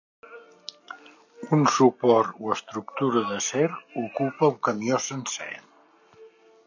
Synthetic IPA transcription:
unsupɔɾt̪uəst̪ɾukt̪uɾəðəseɾukupəuŋkəmiosənsɛ̰n

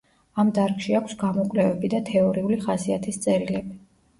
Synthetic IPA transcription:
amd̪aɾkʼʃiakʷʰsɡamɔkʼlɛvɛbid̪at̪ʰɛɔɾiuliχasiat̪ʰist̪sʼɛɾilɛbi

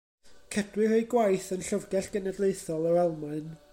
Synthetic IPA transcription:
kʰədwɪɾejɡwajθənɬəvɡɛɬɡ̥ənədlˠejθɔlˠəɾɛlˠmaɨn

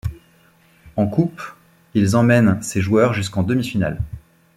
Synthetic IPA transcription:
ɑ̃kup | ilzɑ̃mɛnseʒwœʁʒyskɑ̃d̪əmifina̰l

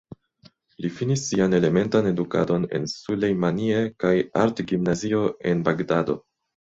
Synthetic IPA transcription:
lifinisːiane̞le̞me̞ntane̞duka̰do̞ne̞̰nsulejmanie̞kaja̰ɾtɡimnazio̞e̞nbaɡdado̞̰

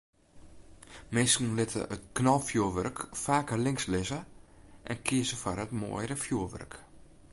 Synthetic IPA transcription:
mɪskn̩lɪtʰə̰ət̚knɔlˠfjuəʋørkfaːkəlɪŋslɪzəʔɛnkʰiəzəfɔrətmo̰əjɾəfjuəʋø̰rk

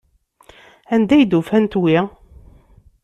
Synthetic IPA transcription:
ænd̪æjd̪ufænt̪wi

